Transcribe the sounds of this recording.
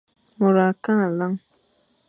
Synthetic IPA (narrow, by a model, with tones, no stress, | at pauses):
mʊ˨ɾa˨ka˦˨la˦ŋ